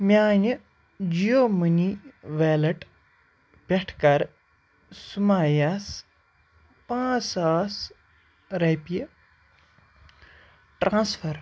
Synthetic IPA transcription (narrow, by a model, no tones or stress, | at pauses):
mjaːnɨ | d͡ʒijoːmɨniʋeːlɐʈ | pʲɐʈʰkɐɾ | sumaːjas | pãːsaːs | ɾɐpiə | ʈɾãːsfʰɐɾ